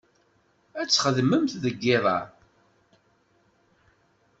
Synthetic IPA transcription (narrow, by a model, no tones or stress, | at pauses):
æt͡sːχəðməmt̪ðəɡːɪðˤɑ̰